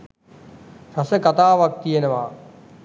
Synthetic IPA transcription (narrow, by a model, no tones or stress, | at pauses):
sɐsəkat̪aːʋak̚t̪ijenəʋaː